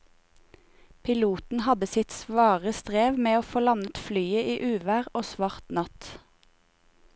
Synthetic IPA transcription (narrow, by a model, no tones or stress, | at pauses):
pʰɪluːt̪n̩hɑd̪əsɪt̪sʋɑːʁəst̪ʁeːʋmeːoːfoːlɑnət̪flyːəʔiːʔʉːʋæːʁoːsʋɑʁt̪nɑt̪